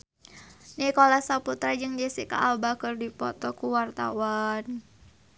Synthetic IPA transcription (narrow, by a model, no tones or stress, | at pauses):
nikɔlasaput̪ɾad͡ʒɨŋd͡ʒɛsika̰ʔalbakɨrdipɔt̪ɔkuwart̪a̰wan